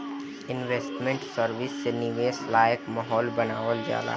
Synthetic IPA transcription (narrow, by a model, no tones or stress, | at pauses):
ɪnʋeːsʈmẽɳʈsəɾʋɪsːenɪʋeːslaːjəkmɐɦɔːlbɐnaːʋəld͡ʒa̰ːla̰ː